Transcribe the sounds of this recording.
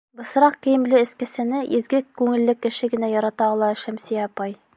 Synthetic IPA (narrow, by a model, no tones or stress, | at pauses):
bɤ̆s̆ɾɑq̚kĭjɘ̆mlɘɘ̆skɘ̆sɘ̆nɘʔizɡɘkːʉŋɘ̆lːɘkːɘ̆ʃɘɡɘ̆næjɒɾɑt̪ɑɒlˠɑ̆ʃæmsiɑpɑj